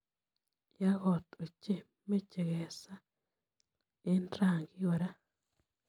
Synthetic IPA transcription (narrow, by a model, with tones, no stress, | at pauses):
ja˦ɣo˨t̪o˨t͡ʃe˦˨ | me˦t͡ʃe˨ɣe˨sa˦ | i˦nɾa˨ŋɡi˦wo˨ɾa˦